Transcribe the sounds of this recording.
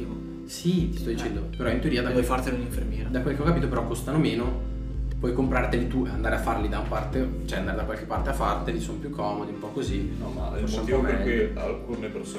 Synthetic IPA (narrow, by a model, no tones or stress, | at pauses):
sit̪i̥st̪ɔd̪it͡ʃɛnd̪opeɾɔint̪eoɾiːad̪avɔjfart̪eleuniɱfermjɛːɾad̪akwelːkeɔkːapiːt̪opeɾɔkːost̪anomeːno | pwɔjkompɾart̪elit̪uand̪aɾeafːarlid̪auapart̪et͡ʃɛand̪aɾed̪akwalkepːart̪eafːart̪elisonopjukʰːɔːmod̪iumpɔkːozi | afoɾsamivomeɾɛujalkuneperso